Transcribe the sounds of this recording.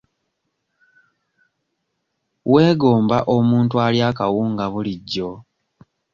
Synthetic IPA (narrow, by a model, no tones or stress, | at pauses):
we̞ːɡo̞ːmbaʔomuːntualjaːkawuːŋɡaβuliɟːo̞